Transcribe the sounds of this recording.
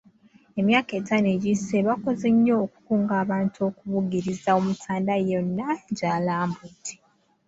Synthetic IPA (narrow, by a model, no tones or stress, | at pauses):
e̞mjaːke̞ːtʰaneɟiseβako̞ze̞ɲːo̞ːku̥kuːŋɡaːβaːntuo̞kuβuɡiɾizaomutaːndajo̞nːaɟaːlaːmbutʰi̥